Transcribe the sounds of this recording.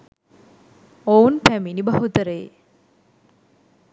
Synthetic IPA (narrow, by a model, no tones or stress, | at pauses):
ounpæminibɐɦut̪əɾej